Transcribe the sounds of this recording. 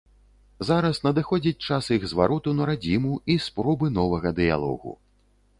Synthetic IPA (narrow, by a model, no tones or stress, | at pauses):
zaɾɐsnɐd̪ɨxɔd͡zʲit͡sʲt͡ʂasiɣzvaɾɔt̪unɐɾad͡zʲimuispɾɔbɨn̪ɔvɐɣɐd̪ɨja̰lˠɔ̰ɣṵ